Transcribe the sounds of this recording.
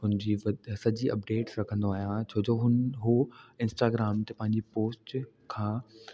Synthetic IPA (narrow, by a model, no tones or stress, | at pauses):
ɦʊ̃nɪd͡ʑiʋɐsɐd͡ʑiɐp̚ɖeːʈsɾɐkʰə̃nd̪oaːɦijãt͡ɕʰoːd͡ʑoːɦʊnɦoɪ̃nsʈaːɡɾaːmt̪epɐ̃ɦɪ̃ɲd͡ʑipoːsʈ | kʰãː